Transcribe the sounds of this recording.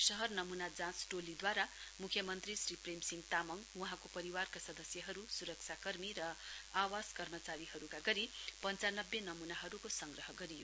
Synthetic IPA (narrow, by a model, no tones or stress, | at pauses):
sʌɦʌrnʌmunad͡zãt͡sʈolid̪waɾamukʰjʌmʌnt̪risripremsiŋɡt̪amʌŋwʌɦãkopʌɾiwarkasʌd̪ʌsjʌɦʌɾusuɾʌk̚t͡ʃʰakʌrmiɾʌawaskʌrmʌt͡saɾiɦʌɾukaɡʌɾipʌnt͡sanʌbjenʌmunaɦʌɾukosʌŋɡrʌɦʌɡʌɾijo̰